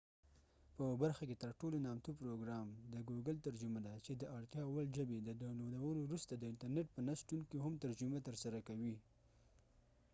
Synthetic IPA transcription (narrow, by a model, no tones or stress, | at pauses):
pəbaɾxaket̪əɾʈolonɑmt̪upɾoɡɾɑmd̪əɡuɡəlt̪aɾd͡ʒʊmad̪at͡ʃed̪əʔaɽt̪jɑwald͡ʒəbed̪əd̪awlod̪awəlowɾust̪ad̪əɪɳʈaɾneʈ̚pənasʈuŋkiɦamt̪aɾd͡ʒʊmat̪əɾsaɾakawi